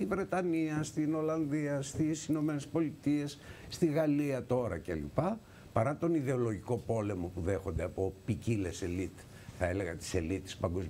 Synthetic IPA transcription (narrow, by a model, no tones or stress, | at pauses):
ivɾe̞t̪ɐniɐst̪ino̞lɐnðiɐst̪isino̞me̞nespo̞lit̪ie̞sːt̪iɣɐliɐt̪o̞ɾɐcḛlḭpɐ | pɐɾɐt̪o̞niðe̞o̞lo̞ʝiko̞po̞le̞mo̞puðe̞xo̞nd̪eɐpo̞picile̞selit̪ | θɐe̞le̞ɣɐt̪i̥se̞litt̪i̥spɐŋɡo̞z